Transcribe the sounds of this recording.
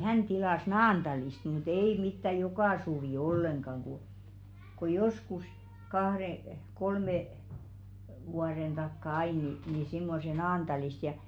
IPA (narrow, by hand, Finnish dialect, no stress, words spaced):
hæn tilɑˑs nɑːnd̥ɑlist mut ei mitːæ jokɑˑ suʋiˑ olːeŋɡ̊ɑŋ ku ko joskus kɑhɾe kolme ʋuɑɾen d̥ɑkːɑ ɑi ni niˑ simːose nɑːntɑlist jɑ